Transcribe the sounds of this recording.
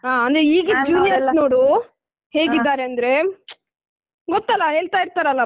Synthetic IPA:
aːɐnd̪ɾeiːɡid͡ʒuːnijɐsnoːɽu | he̞ːɡid̪ːaːɾeɐnd̪ɾe̞ | ɡɔt̪ːɐlːɐɦe̞ːɭt̪aːiɾt̪aːɾɐlːa

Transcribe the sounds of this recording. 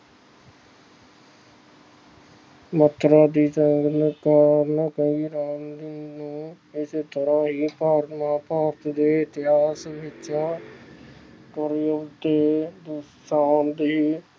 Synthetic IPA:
mət̪ʰːɾaːd̪iːt͡ʃəŋɡnkaːɾnaːkəiːɾaːnd̪iːnũː | ɪset̪əɾãːɦiːpaːɾmãːpaːɾt̪d̪eːɪt̪ɪɦaːsʋɪt͡ʃã | kəɾiət̪eːd̪ʊsaːnd̪iː

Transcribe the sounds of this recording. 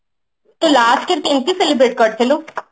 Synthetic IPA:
t̪olaːskɪɾkent̪isɛlɪbɾeːʈ̚kəɾt̪ʰeloː

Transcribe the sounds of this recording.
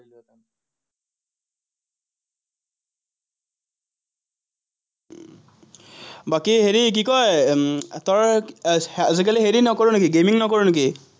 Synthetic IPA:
bakiɦeɾik̬ikɔ | t̪ɔɹa | zek̬ɛliɦeɾinɔkɔɹunkiɡemiŋnɔkɔɹunki

